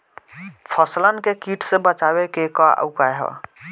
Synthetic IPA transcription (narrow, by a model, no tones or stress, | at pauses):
pʰəslənkekiʈʰsẽbət͡ʃabekekɔə̰ʊkaeɦɔ̰